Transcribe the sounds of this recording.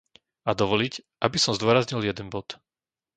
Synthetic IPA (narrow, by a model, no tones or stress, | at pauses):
ad̪ɔʋɔlic | ʔabisɔmzd̪ʊɔɾazɲiljɛd̪ɛnbɔt̪